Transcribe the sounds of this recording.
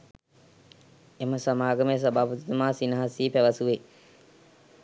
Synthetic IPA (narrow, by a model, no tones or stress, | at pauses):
eməsamaːɡəməjəs̬abaːput̪it̪əmaːsinɐɦasiːpæʋəsuʋe